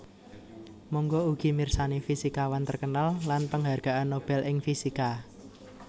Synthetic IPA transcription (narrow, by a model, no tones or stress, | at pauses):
mɔŋɡɔuɡ̥i̤mirsanefisikawant̪ərkənalːanpəŋɦarɡ̥a̤ʔanːob̥ɛlʔɪŋfisika